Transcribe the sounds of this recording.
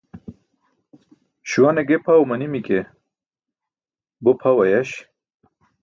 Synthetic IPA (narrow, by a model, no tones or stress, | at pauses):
ɕuwɐneɡepʰawmɐnimike | bopʰɐwɐjɐɕ